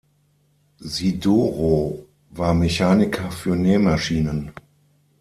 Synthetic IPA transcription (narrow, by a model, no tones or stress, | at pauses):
zidoːʁoː | vaːɐmeçaːnɪkʰɐfyːɐneːmaʃiːnən